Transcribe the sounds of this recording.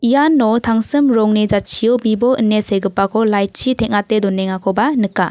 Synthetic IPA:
ijanːɔtʰaŋsɯmɾɔŋnid͡ʒat͡ʃʰijɔbibɔɯnːesejɡɯpːakʰɔlaj̚t͡ʃʰitʰek̚ŋatedɔnːeŋakʰɔbanɯka

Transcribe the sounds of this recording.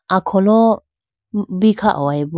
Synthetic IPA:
akʰɔlɔ | bikʰaʔɔajb

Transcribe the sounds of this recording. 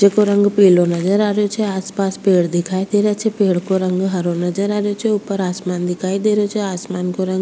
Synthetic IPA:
d͡ʒekoɾə̃ŋɡpiːlonəd͡ʒəɾaɾjot͡ʃʰeaːspaspeːɭd̪ɪkʰaːid̪eɾjat͡ʃʰepeːɭkoɾə̃ŋɡɦəɾonəd͡ʒəɾaɾjot͡ʃʰeupːəɾaːsmand̪ɪkʰaːid̪eɾjot͡ʃʰeaːsmaːnkoɾə̃ŋɡ

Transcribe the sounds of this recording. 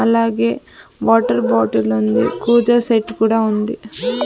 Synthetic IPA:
ɐlaːɡe̞ː | ʋaːʈɐɾbaːʈɐɾlund̪ḭkuːd͡ʒɐseʈːkuːɽaːund̪i

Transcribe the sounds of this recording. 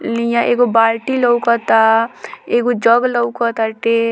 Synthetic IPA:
lijãʔeɡobalʈilɔwkɔt̪a | eɡod͡ʒəɡlɔwkɔt̪aʈe

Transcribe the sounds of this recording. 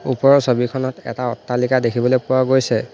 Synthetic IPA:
upɔɹɔsobikʰɔnɔtɛ̰taɔtːalikadekʰibɔlojpʊwaɡojsɛ

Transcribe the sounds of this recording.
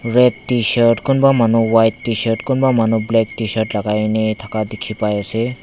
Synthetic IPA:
ɹɛdːisɔɹtkʊnbamanuwajtːisɔɹtkʊnbamanublɛk̚tisɔɹʈlaɡajnetʰakadekʰipajasɛ

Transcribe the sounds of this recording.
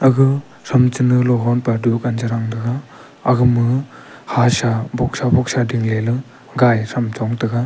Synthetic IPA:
ɐɡɯ | sɐmt͡ʃɯnɯlɔɦɔnpadukand͡ʒaɾaŋdɯɡaː | ɡɯmɯ | hasabɔk̚sabɔksadiŋlelɯ | ɡajsamt͡ʃawŋtɐɡa

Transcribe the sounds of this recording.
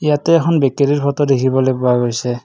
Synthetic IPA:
ijatɛːkʰɔnbɛkeɾiɹpʰɔtɔdekʰibɔlojpʊwaɡojsɛ

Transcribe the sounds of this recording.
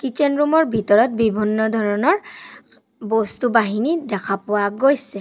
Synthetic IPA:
kit͡ʃɛnɹumɔɹbʱitɔɹɔt̚bibʱinːɔdʱɔɹɔnɔɹ | bɔstubaɦinidɛkʰapʊwaɡojsɛ

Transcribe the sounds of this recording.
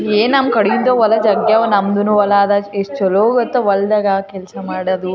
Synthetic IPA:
eːnːɐmkɐɽijund̪oːʋɐlɐd͡ʒɐɡjɐʋɐnɐmd̪unuʋɐlaːd̪ɐest͡ʃɔloːɡɐt̪ːɐʋɐld̪ɐɡɐkɛlsɐmaːɽɐd̪u

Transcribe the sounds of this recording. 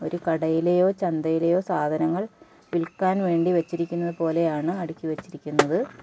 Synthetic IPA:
o̞ɾukɐɽɐjilejo̞ːt͡ɕɐnd̪ɐjilejo̞ːsaːd̪ʱɐnɐŋːɐɭ | ʋilkaːnʋe̞ːɳɖiʋɐt͡ɕːiɾik̬ʲːunːɐðɨpo̞ːle̞jaːɳɨɐɽikʲːiʋɐt͡ɕːiɾikʲːunːɐðɨ

